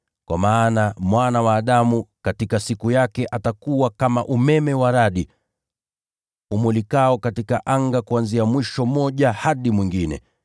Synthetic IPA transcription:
kwa̰maːnamwanawaːɗamukatikasikujakɛʔatakuwakamaʔumɛmɛwaɾaɗi | umulikaɔkatikaʔaŋɡakuanziamwiʃɔmɔʄahaɗimwiŋɡinɛ̰

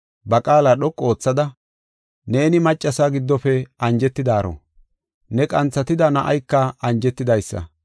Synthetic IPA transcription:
bɐkʼaːlɐɗɔkʼːo̞ːt͡sːɐd̪ɐ | ne̞ːnɪmɐt͡ʃʼːɐsaɡɪd̪ːɔfɛɐnd͡ʒɛt̪ːɪd̪aːɾo̰ | nɛkʼɐnt͡sːɐt̪ɪd̪ɐnɐʔɐjkːɐɐnd͡ʒɛt̪ːɪd̪ɐjsːɐ̰

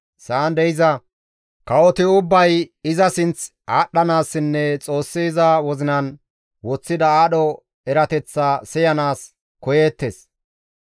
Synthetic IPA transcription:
saːnd̪ɛjɪzɐ | kɐwɔt̪ɪʊbːɐjɪzɐsɪnt͡s | aːɗːɐnaːsːɪnːɛt͡sʼo̞ːsːiːzɐwɔzɪnɐn | wɔt͡sːɪd̪ɐaːɗɔ | ɛɾɐt̪ɛt͡sːasɛjɐnaːs | kɔje̞ːt̪ːeːs

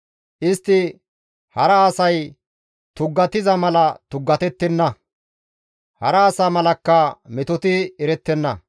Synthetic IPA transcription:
ʔɪst̪ːɪ | hɐɾɐːsɐj | t̪ʊɡːɐt̪ɪzɐmɐlɐt̪ʊɡːɐt̪ɛt̪ːɛnːɐ | hɐ̰ɾɐːsɐmɐlɐkːɐmɛt̪ɔt̪ɪɛɾɛt̪ːɛnːɐ

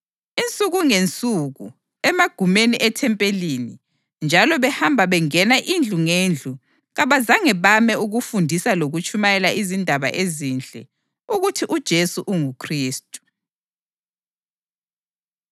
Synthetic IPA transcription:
int͡sʼuɣuŋent͡sʼuɣṵ | ɛmaɡ̥ʱumeniʔɛtʰɛmpʼelini | nd͡ʒʱalɔβɛhambʱaβɛŋɛnaʔind͡ɮʱuŋend͡ɮʱu | ɣaβazaŋɛβamɛuɣufundʱisaloɣut͡ʃʰʼumajɛlaizindʱaβa̰ʔezind͡ɮʱɛ̰ | uɣutʰiʔud̥ʒ̥ʱesuʔuŋukʰriːstʼu̥

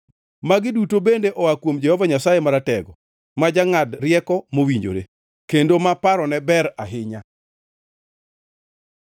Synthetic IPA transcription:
maɡɪdutobendeʔɔakwomd͡ʒɛhɔvaɲasajemaɾatɛɡɔ | mad͡ʒaŋadɾɪjɛkɔmowiɲd͡ʒo̰ɾḛ | kendomapaɾɔnɛbɛɾaɦɪɲa

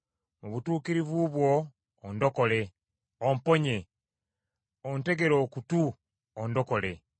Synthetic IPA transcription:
muβutuːkiɾivuβwoː | ndo̞ko̞le̞ | ompoɲe | onte̞ɡe̞ɾo̞ːkutuː | ndo̞ko̞le

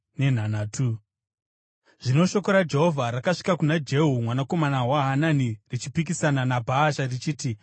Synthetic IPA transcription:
ne̞n̤anaːtʰu | ʐ̥ino̞ʃo̞ko̞ɾad͡ʒe̞ɦo̞vʱaɾakaʂi̥kakunad͡ʒe̞ɦumwanako̞manawaɦananirit͡ʃipikisananabʱaːʃarit͡ʃiːti

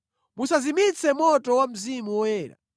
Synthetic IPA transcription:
musazimit͡sʰɛmɔtɔwam̩zimuwɔwɛːɾa̰

